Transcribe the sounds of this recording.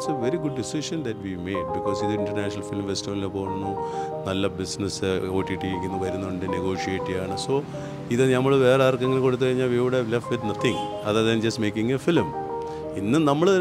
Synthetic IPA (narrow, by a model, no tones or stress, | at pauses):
seʋeɾiɡuɖːisiʂɐnd̪ɐtʋimeːɖ̚bikːoːsiðɨiɳɖɐrnaːʂɐnɐlfilmʋestunilepoːnːunɐlːɐbisnɐsoːʈːiʈːiiɾikʲːunːuʋɐɾunːɐɳɖɨneɡo̞ːʂieʈːijaːɳɨso̞ː | iðɨnɐmːɐɭʋe̞ːreaɐrkːɐŋːɡilkoɽut̪ːɨkɐɻiɲːaːlʋiʋɐɽɐʋlefʈʋid̪nɐt̪ʰĩŋ | ɐðɐɾðɐnd͡ʑɐstmeːkʲːiŋefilm | inːɨnɐmːɐɭɨɐ